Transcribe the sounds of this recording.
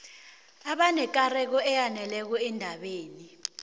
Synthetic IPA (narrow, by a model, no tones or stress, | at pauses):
aɓanɛk̬ʼarɛk̬ɔɛjanɛlɛk̬ɔɛndʱaɓeːni